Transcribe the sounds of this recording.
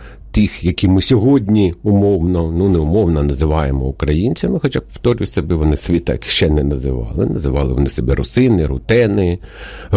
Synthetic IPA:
t̪ixjɐkʲimɪsʲɔɦɔdʲnʲiʊmɔwnɔnunɛʊmɔwnɐnɐzɪʋɑjemɔʊkɾɐjinʲt͡sʲɐmɪxɔt͡ʃɑpɔ̥ft̪ɔɾʲʊjʲsʲɐbɪʋɔnɪsʲʋʲit̪ɑ̰kʲʃt͡ʃɛnɛnɐzɪ̰ʋɑ̰lˠɪ̰nɐzɪʋɑlˠɪ̰ʋɔ̰nɪsebɛɾʊsɪnɪɾʊt̪ɛnɪ

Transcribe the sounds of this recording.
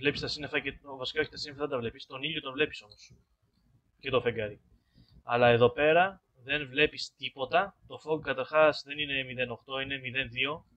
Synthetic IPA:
vle̞pist̪ɐsinefɐcet̪ovɐsi̥kɐo̞çi̥t̪ɐsinefðɐd̪ɐvle̞pist̪o̞niʎot̪o̞nvle̞pi̥so̞mos | ce̞t̪o̞feŋɡɐɾi | ɐlɐeðo̞pe̞ɾɐ | ðe̞nvle̞pist̪ipo̞t̪ɐt̪o̞foɡkɐt̪ɐɾxɐsðe̞nine̞miðe̞no̞xt̪o̞ine̞miðe̞nðio̞

